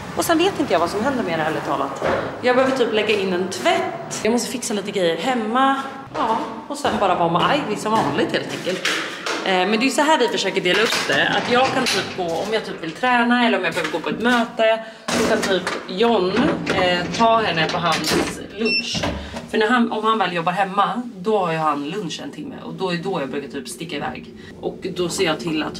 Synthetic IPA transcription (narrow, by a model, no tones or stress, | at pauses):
ʔɔsɛnveːt̪ɪnt̪əjavasɔmɦɛnd̪əɾmeːɾaɛlːətʰɑ̰ːla̰t̪jɑːɡ̚bɛhøːvəʈʰyːplɛɡːaɪnːɛnt̪ʰvɛt̪ːjɑmɔst̪əfɪksaliːt̪əɡɾɛjːəɾɦɛmːa | ɑː | ɔsɛnbɑːɾavɑːmɛʔajvɪsɔmvɑːnlɪɡ̚t̪heːlt̪ʰɛŋkəlt̪ | mɛnd̪ɛjɵsɔɦæːɖɪfœʂøːkəɖeːlaɵpːd̪ɛa̰t̪jɑːɡ̚kʰant̪ʰyːpːɡʰoɔmjat̪yːpvɪlt̪ʰɾɛːnaɛlːəɾɔmjabɛhøːvəɾɡoːpʰɔɛt̪møːt̪ə | sɔkʰant̪ʰyːpjɔnː | t̪ʰɑːhɛnːəpʰɔɦans | lɵnʂfœɳæɾɦanɔmhanvɛːljɔbːaɾɦɛmːad̪ɔhaɾjɵɦanlɵnʂɛ̰nt̪ʰɪmːə̰ʔɔ̰d̪ɔd̪ɔjɑːɡbɾʉːkat̪yːpst̪ɪkːaɪvɛ̰ːɡ | ʔɔkd̪ɔseːjɑːt̪ʰɪlːa̰t̪